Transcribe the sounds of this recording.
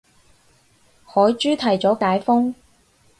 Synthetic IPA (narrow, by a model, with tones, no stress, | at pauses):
hɔː˨˥jt͡ʃyː˥t̪ʰɐ˨˩jt͡sɔː˨˥kaː˨˥jfʊ˥ŋ